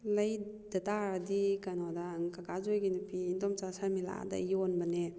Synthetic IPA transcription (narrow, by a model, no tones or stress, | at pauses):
lajdataɾadikanɔdaŋkakazɔjɡinipiːndɔmt͡ʃasamila̰da̰jɔnbane